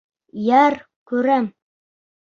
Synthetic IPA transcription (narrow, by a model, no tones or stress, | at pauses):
jæɾ | kʉɾæm